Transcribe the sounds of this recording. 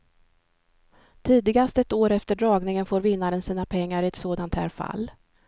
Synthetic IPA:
t̪ʰiːd̪ɪɡast̪ɛt̪oːɾɛft̪əɖɾɑːɡnɪŋənfoːɾvɪnːaɾənsiːnapʰɛŋːaɾɪɛt̪soːd̪ant̪hæ̰ːɾfa̰lː

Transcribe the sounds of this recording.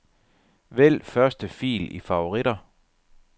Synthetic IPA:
ʋel̰fɶɐsd̥əfḭːlifɑ̈o̝ʁiɾ̥ɐ

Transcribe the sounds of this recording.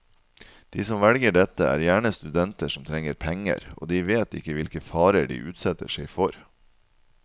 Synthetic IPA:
d̪̥iːsɔmʋɛlɡəɖɛt̪ːəæ̰ːɾjæːɳəst̪ʉd̪ɛnt̪əʂɔmt̪ʰɾɛŋːəɾpʰɛŋə̰ɾo̰ːd̪iːʋeːt̪ɪ̰kːəʋɪlkəfɑːɾəɖḭːʔʉːt̪sɛt̪ə̰ʂɛɪfɔɾ

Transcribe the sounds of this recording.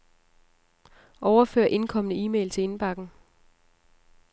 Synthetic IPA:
ʔɒʊɐfø̰ɐʔe̝nkʰɒ̽m̰nəiːmḛːlt͡sʰe̝e̝nb̥ɑ̈ɡ̥n̩

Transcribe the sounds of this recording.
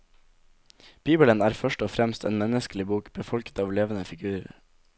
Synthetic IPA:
b̥iːbələnæːɾfœʃʈɔːfɾɛmst̪ʰḛːnmɛnəskəlɪbuːkb̥əfɔlkə̥t̪ɑːʋleːʋən̩əfɪɡʉːɾə̰ɾ

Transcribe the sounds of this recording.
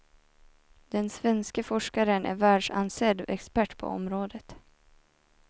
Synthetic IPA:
d̪̥ɛnsvɛnskəfɔʂkaɾənʔæ̰ɾvæːɖʂansɛd̪ʔɛkspæʈːpʰɔ̰ɔ̰mɾoːd̪ət̪

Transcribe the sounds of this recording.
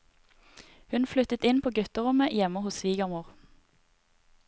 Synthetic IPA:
hʉnflʏt̪ət̪ɪnpʰoːɡʉt̪əʁʊməjɛməhʊsʋiːɡɑmuːʁ

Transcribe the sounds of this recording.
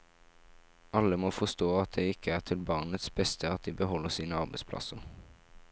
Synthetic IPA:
ʔɑlːəmɔːfɔst̪oːɑt̪̚d̪ɛɪɪkʰəæʁt̪ʰɪlbɑːʁnət̪sbɛst̪ʰəɑt̪̚d̪iːbəɦɔlːəsiːnəɑʁbɛɪspʰlɑ̰səʁ

